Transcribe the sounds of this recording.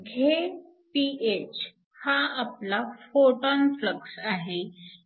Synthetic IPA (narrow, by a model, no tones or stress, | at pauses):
ɡʱe | piet͡ɕ | haːplafoʈɔnfləksaɦe